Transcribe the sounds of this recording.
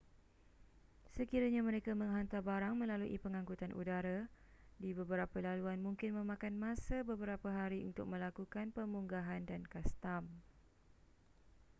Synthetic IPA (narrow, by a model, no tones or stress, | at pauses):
səkiɾaɲamə̃ɾekamə̃ŋɦant̪abaɾaŋmə̃laluʔḭpəŋãŋkut̪anʔṵdaɾa | dibəbəɾapəlaluanmũŋkɪnmə̃mãkanmãsabəbəɾapaɦaɾiṵnt̪ʊk̚mə̃lakukanpəmuŋɡaɦandankast̪am